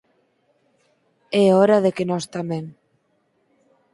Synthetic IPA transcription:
eoɾaðekenɔst̪ameŋ

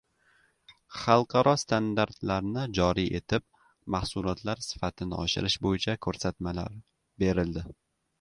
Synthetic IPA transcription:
χɑlˠqʰɑɾɒst̪ʰand̪aɾt̪laɾnɪd͡ʒɒɾiʔe̞t̪ʰɪp̚ | mahsʊlˠɒt̪ʰlaɾsɪ̥fat̪ʰɪnɪɒʃɪ̰ɾɪʃbojɪt͡ʃʰakʰɵɾsat̪mala̰ɾ | be̞ɾɪld̪ɪ

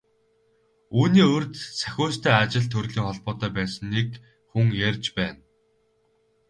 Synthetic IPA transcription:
uːniːɵrt̪sæ̥xʲʊːst̪ʰæːat͡ɕɪ̆ɮt̪ʰɵrɮiːŋχɔɮpɔːt̪œːpæːsə̆nːik | xuŋjærʲt͡ɕpæːn

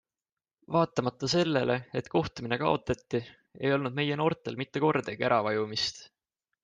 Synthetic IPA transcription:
vɑːt̪ˑːɑmɑt̪ːɑse̞lːe̞le̞et̪ko̞ht̪umine̞kɑo̞t̪ːˑɑt̪ːi | e̞jo̞lnud̪̚me̞je̞no̞ːrt̪ˑe̞lmit̪ːe̞ko̞rd̪eɡeɾɑvɑjumist̪

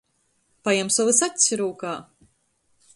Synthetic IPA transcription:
pajɛmsɔvɨsat̪ʲsʲiɾuːkaː

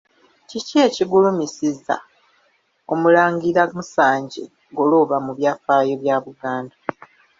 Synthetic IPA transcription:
ciceːciɡulumisiza̰ | o̞mulaːŋɡiɾamusaːɲɟḛ | ɡoloːβamuβjaːfaːjo̞βjaːβuɡaːnda

